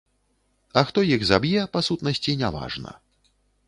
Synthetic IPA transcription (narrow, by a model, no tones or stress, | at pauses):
ɐxt̪ɔjiɣzabjɛpasut̪nɐsʲt͡sʲinʲava̰ʐnɐ̰